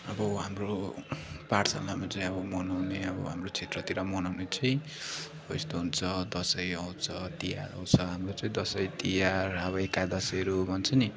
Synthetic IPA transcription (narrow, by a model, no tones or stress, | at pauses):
ʌbʌɦamro | paʈsa̰mamat͡saĩʌbʌmʌnawneʌbʌ̰ɦa̰mrot͡sʰet̪rʌt̪iɾʌmʌnawnet͡sʰʌĩ | ʌist̪oɦunt͡sʰʌd̪ʌsʌjʌw̃t͡sʰʌt̪ijaɾʌ̰w̃t͡sʰʌɦamrot͡sʌĩd̪ʌsʌjt̪ijarʌbʌekajd̪ʌsʌjɾobʱʌnt͡sʰʌni